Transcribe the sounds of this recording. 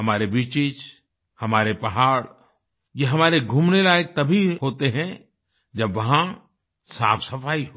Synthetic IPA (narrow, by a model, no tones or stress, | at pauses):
ɦɐmaːɾebiːt͡ʃɪt͡ʃ | hɐmaːɾepɐɦaːɽ | jeɦɐmaːɾeɡʱuːmnelaːjək̚t̪ɐbʱiɦoːt̪eɦɛ̃ | d͡ʒɐbʋɐɦã | sa̰ːfʰsɐfaːiɦo